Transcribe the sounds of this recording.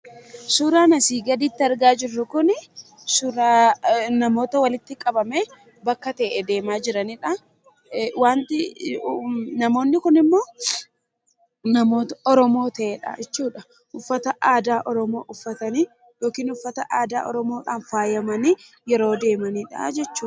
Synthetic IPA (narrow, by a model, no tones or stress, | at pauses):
sʊɾaːnɐsiːɡɐd̪iːt̪ːɪɐɾɡaːd͡ʒɪrːʊkʊn | sʊɾaːnɐmo̞ːt̪ɐwɐlɪt̪ːɪkʼɐbɐme | bɐkːɐt̪ɐʔɛd̪e̞ːmaːd͡ʒɪɾɐniᶑɐ | waːnt̪ɪ | nɐmo̞ːnːɪkʊnɪmːo̞ː | nɐmo̞ːt̪ɐɔɾɔmo̞ːt̪ɐʔeːᶑɐ̰ʔɛt͡ʃːuːᶑɐ | ʔʊfːɐt̪ɐaːd̪aːʔɔɾɔmo̞ːʔʊfːɐt̪ɐni | jo̞ːkiːnʊfːɐt̪ɐʔaːd̪aːʔɔ̰ɾɔmo̞ːᶑaːnfaːjɐmɐni | jɛɾo̞ːd̪e̞ːmɐniːᶑɐ̰d͡ʒɛt͡ʃːuː